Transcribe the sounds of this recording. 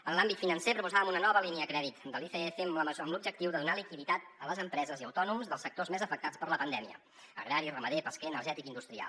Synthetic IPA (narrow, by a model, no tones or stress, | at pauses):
ənlambit̪finənsepɾupuzaβəmunənɔβəliniəkɾɛðit̪d̪əlifeefeməəəmlub̚d͡ʒək̚t̪iwðəðunalikiðit̪at̪ələzəmpɾɛzəziə̰wt̪ɔnumzðəlˠsək̚t̪ozmezəfək̚t̪at͡spəɾləpənd̪ɛmiə̰ | ə̰ɣɾaɾirəməðepəskɛənəɾʒɛt̪ikind̪ust̪ɾia̰lˠ